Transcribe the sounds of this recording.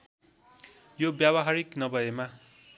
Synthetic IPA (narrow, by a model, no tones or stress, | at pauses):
jobjaβʌɦaɾiknʌbʌjema